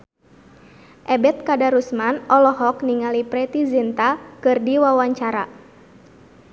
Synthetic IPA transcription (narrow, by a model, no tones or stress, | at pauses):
ʔɛbɛt̪̚kadaɾusmanɔlɔɦɔkniŋalipɾɛt̪izint̪akɨrdiwawaɲt͡ʃaɾa